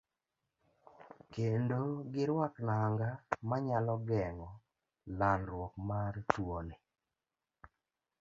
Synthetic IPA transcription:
kendoɡɪɾwaknaŋɡamaɲalɔɡɛŋɔ | lanɾwɔkmartwone

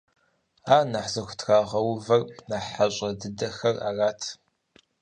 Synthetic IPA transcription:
aːnaħzɐxʷʊ̥tʰxaːʁɐwvɐrnaːħaɕʼɐdɨdɐxɐraːraːtʰ

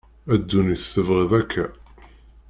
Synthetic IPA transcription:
æd̪ːuniθθəvʁiðækʰːæ

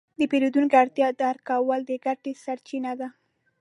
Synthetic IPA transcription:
d̪əpeɾud̪unkaɽt̪jɑd̪ɑɾkɑwəld̪əɡaʈesaɾt͡ʃinad̪a

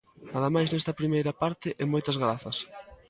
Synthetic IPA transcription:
naðɐmajznɛst̪ɐpɾimejɾɐpaɾt̪ɪʔɛmojt̪ɐzɣɾaθɐs

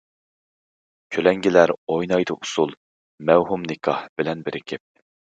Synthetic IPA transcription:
kʲʰølɛŋɡʲilæɾojnɑjd̪ɨʔusulˠ | mɛwɦumnɪkʰɑhb̥ɪlɛnbɪɾɪkʲʰɪp̚

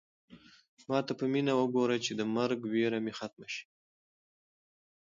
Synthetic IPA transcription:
mɑt̪apəminawəɡoɾat͡ʃed̪əmaɾɡweɾamexat̪̚maʃi̥

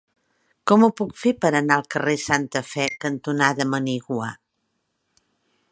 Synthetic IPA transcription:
kɔmupukfepəɾənaəlˠkəresant̪əfɛkənt̪unaðəməniɣwa̰

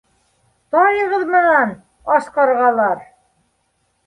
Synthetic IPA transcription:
t̪ɑjɤ̆ʁɤðmɘ̆næn | ɑʃqɑɾʁɑlˠɑɾ

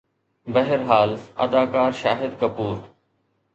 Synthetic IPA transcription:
bɐɦɪɾɦaːlɐ̰d̪aːkaːɾʃaːɦɪd̪kɐpuːɾ

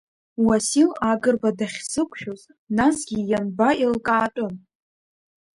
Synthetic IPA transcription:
wasilaɡɨrbadaχʲzɨkʷʰʼʃᶣoz | nasɡʲijanbaʔilkʼaːtʷʼʊn

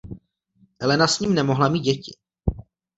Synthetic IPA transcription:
ʔɛlɛnasɲiːmnɛmo̞ɦlamiːt̪̚ɟɛcɪ̰

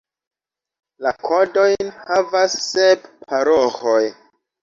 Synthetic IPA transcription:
lakʰodo̞jnhavasːeppʰaɾohoj

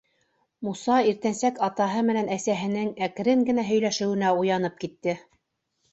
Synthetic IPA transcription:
musɑiɾt̪ænsækɑt̪ɑɦɤmɘ̆nænæsæɦɘ̆nɘŋækɘ̆ɾɘŋɡɘ̆næɦɵ̆jlæʃɘ̆wɘ̆næujɑnɤp̚kit̪ːɘ

